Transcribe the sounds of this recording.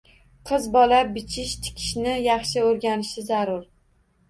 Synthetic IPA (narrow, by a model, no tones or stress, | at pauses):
qʰɨzbɒlabɪt͡ʃʰɪʃt̪ʰɪ̥kʲʰɪ̥ʃnɪjɑχʃɪoɾɡʲanɪʃɪzaɾʊɾ